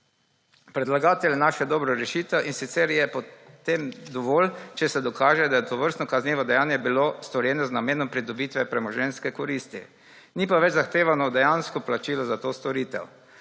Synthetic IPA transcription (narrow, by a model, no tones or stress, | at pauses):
pɾɛd̪laɡaːt̪ɛlʲjɛnaːʃɛd̪ɔːbɾɔɾɛʃiːt̪ɛwʔinsit̪sɛɾjɛpɔt̪emd̪ɔʋɔːlt͡ʃɛsɛd̪ɔkaːʒɛd̪ajɛt̪ɔʋəɾst̪nɔkaznjeːʋɔd̪ɛjaːnjɛbilost̪ɔɾjɛːnɔznameːnɔmpɾid̪ɔbit̪ʋɛpɾɛmɔʒɛnskɛkɔɾiːst̪ḭ | niːpaʋɛt͡ʃzaxt̪eːʋanɔd̪ɛjanskɔplat͡ʃiːlɔzat̪oːst̪ɔɾiːt̪ɛ̰w